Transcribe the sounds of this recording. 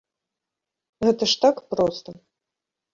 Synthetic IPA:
ɣɛt̪ɐʂt̪akpɾɔst̪ɐ

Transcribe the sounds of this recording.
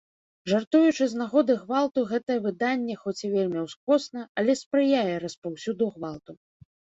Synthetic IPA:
ʐart̪ujut͡ʂɨznaɣɔd̪ɨɣvalˠt̪uɣɛt̪ɐjɛvɨd̪anʲːɛxɔt͡sʲivʲelʲmʲiwskɔsnɐalʲɛspɾɨjajɛɾɐspawsʲud̪uɣvalˠt̪u

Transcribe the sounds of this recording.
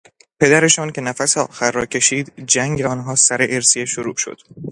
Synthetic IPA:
pʰe̞d̪æɾe̞ʃɒːncʰe̞næfæseɒ̰ːxæɾːɒːcʰe̞ʃiːd̪d͡ʒæŋɟeɒːnɦɒːsæɾeʔeɾsieʃoɾṵːʃo̰d̪̥

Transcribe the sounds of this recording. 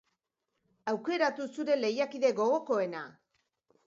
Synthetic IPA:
awke̞ɾat̪usuɾe̞le̞jakiðe̞ɣo̞ɣ̞o̞ko̞e̞na̰

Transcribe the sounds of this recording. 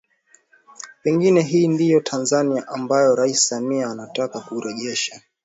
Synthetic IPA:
pɛŋɡinɛɦiːndijɔtʰanzaniaʔambajɔɾaissamiaːnatakakuɾɛʄɛʃa

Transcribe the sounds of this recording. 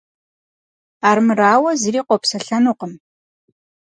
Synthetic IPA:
aːɾmɨraːwɐzɨriːqʷɔpsɐɬɐnuːqəm

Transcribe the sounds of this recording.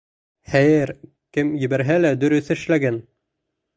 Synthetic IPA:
χæjɘɾ | kɘmjɘ̆bæɾɦælæd̪ɵ̆ɾɵ̆θɘɘ̆ʃlæɡæn

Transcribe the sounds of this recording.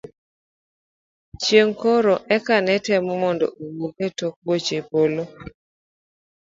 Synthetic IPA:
t͡ʃjeŋkoɾoʔɛkanɛtɛmɔmɔndɔ̰ʔowoɡetok̚bot͡ʃepolo

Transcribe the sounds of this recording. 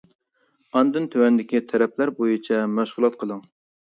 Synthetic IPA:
ɑnd̪ɨnt̪ʰøwɛnd̪ɪkʲit̪ʰɛɾɛp̚ʰlæɾbojit͡ʃʰɛmæʃʁʊlˠɑt̪̚qʰəlˠɨŋ

